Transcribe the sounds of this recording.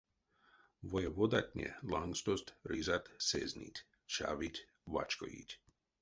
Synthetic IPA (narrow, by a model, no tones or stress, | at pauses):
ʋojɛʋod̪atʲɲʲɛ̰laŋɡst̪ost̪ɾizat̪sḛznʲḭtʲ | t͡ʃa̰ʋitʲ | ʋa̰t͡ʃko̰jḭtʲ